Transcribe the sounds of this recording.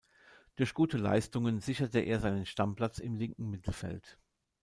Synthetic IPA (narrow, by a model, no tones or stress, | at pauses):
d̥ʊɐçɡ̥uːtəla̰ɪstʊŋənzɪçɐtəʔḛːɐzaɪnənʃtampl̥at͡sɪmlɪŋkŋ̩mɪtʰl̩fɛ̰lt